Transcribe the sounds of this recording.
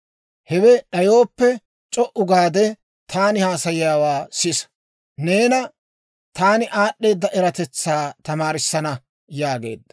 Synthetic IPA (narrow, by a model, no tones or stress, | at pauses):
hɛwɛɗɐjo̞ːpːɛ | t͡ʃʼɔʔʊɡaːd̪ɛ | t̪ʰaːnɪhaːsɐjɪjaːwaːsɪs | neːnɐ | t̪aːnɪʔaːɗːe̞ːd̪ːɐʔɛɾɐt̪ɛt͡sːaːt̪ɐmaːɾɪsːɐnɐ | jaːɡe̞̰ːd̪ːɐ